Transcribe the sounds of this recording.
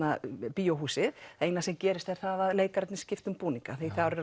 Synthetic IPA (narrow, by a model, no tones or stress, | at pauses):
apiːowɦuːsɪðeːjnasɛmcɛːɾɪst̪ɛɾ̥θaðaðleːjkaɾt̪nɪ̥scɪft̪ʏmpuːniŋkaθejθawɾɪɾ